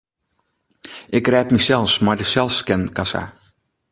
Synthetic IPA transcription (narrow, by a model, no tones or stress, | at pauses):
ʔɪkrɛːtmisɛlˠfsmardəsɛlˠskɛnkasa̰